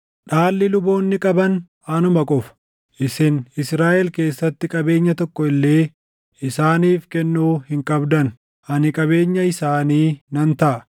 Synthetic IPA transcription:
ᶑaːlːɪlʊbo̞ːnːɪkʼɐbɐn | ɐnʊmɐkʼʊfɐ̥ | ʔɪsɪnɪsɾaːʔɛlke̞ːsːɐt̪ːɪkʼɐbe̞ːɲːɐt̪ɔkːɔɪlːe̞ː | ɪsaːniːfkɛnːuːhɪŋkʼɐbd̪ɐn | ʔɐnɪkʼɐbe̞ːɲːɐɪsaːniːnɐnt̪ɐʔɐ

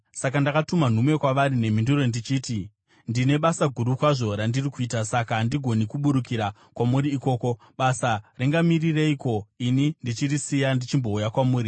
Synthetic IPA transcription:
sakandakatuman̤umwe̞kwaʋaɾinem̤indurondit͡ʃiːti | ndine̞ɓasaɡʱuɾukwaʐo̞ɾandirikuiːtasakandiɡʱo̞nikuɓuɾukiɾa | kwamuɾiːko̞ːko̞ | ɓasariŋɡamirire̞iko̞inindit͡ʃirisijandit͡ʃimbo̞ujakwamuːɾi

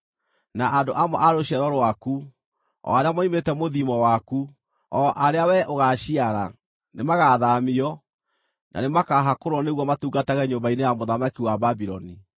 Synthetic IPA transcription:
naʔadoʔamɔ̰ʔaɾoɕɛɾɔɾowaku | ɔ̰aɾeamɔimetɛmoðimɔwaku | ɔʔaɾeawɛʔoɣaɕiaɾa̰ | nemaɣaðamiɔ | nʔa̰nemakaɦakoɾɔneɣwɔmatuːɡataɣɛɲombainejamoðamakiwababiɾɔni

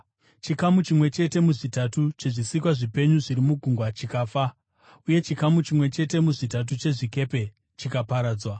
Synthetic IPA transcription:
t͡ʃikamut͡ʃimwe̞t͡ʃe̞te̞muʐitatut͡ʃe̞ʐisikwaʐipe̞ɲuʐiɾimuɡʱuŋɡwat͡ʃikaːfa | uje̞t͡ʃikamut͡ʃimwe̞t͡ʃe̞te̞muʐitat̬ut͡ʃe̞ʐike̞pe̞ | t͡ʃikapaɾaːd͡zwa

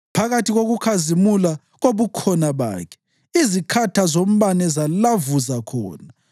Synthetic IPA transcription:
pʰaɣatʰiɣoɣukʰazimula | ɣoβukʰɔnaβa̰ːkʰɛ̥ | izikʰatʰazom̩βanɛzalavuzakʰɔ̰ːna

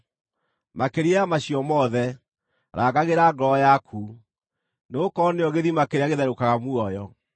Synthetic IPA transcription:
makeɾeamaɕiɔmɔðɛ | ɾʔaɣaɣeɾaɡɾɔjakʰu | nokɔneɔɣeðimakeɾeaɣeðɛɾokaɣamwɔjɔ

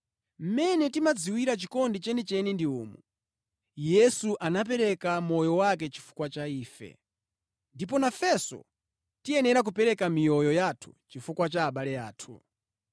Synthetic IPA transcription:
m̩mɛnɛtimad͡ziwiɾat͡ʃikɔndit͡ʃɛnit͡ʃɛnindiuːmṵ | jɛsuʔanap̬ɛɾɛkamɔjɔwakɛt͡ʃi̥fu̥kwat͡ʃaiːfɛ̰ | ndip̬ɔnafɛsɔ̰ | tiɛnɛɾak̬upɛɾɛkamijɔjɔjatʰu̥̰t͡ʃifukwat͡ʃaːɓalɛaːtʰṵ

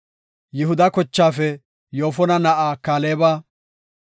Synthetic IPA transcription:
jɪɦʊd̪ɐkɔt͡ʃːaːfɛ | jo̞ːfɔnɐnɐʔaːkaːleːbaː

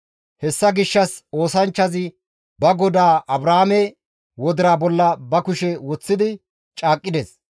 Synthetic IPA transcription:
hɛsːɐɡɪʃːɐso̞ːsɐnt͡ʃːɐzɪ | bɐɡɔd̪aːʔɐbɾaːmɛ | wɔd̪ɪɾaːbɔlːɐbɐkʊʃɛwɔt͡sːɪd̪ɪ | t͡ʃʼaːkʼːɪd̪es

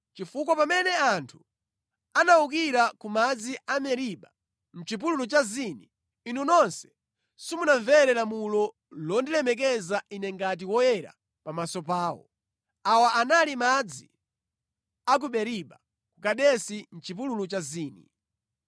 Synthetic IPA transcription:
t͡ʃifuk̬wapamɛnɛantʰu̥ | anaukiɾakumad͡ziʔamɛɾiɓa | m̩t͡ʃip̬ululut͡ʃazini | inunɔnsɛ̥ | sumunaɱvɛɾɛlamulɔ | lɔndilɛmɛk̬ɛzaʔinɛŋɡat̬iwɔjɛɾa̰ | pamasɔpaːwɔ̰ | awaʔanalimad͡zi | ak̬uɓɛɾiɓa | kukaɗɛsin̩t͡ʃip̬ululut͡ʃaziːnḭ

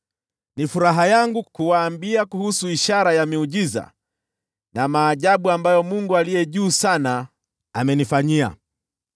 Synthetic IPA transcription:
nifuɾaɦajaŋɡukuwaːmbiakuhusuiʃaɾajamiuʄiza̰ | namaːʄaɓuambajɔmuŋɡualijɛʄuːsana | amɛnifaɲia̰

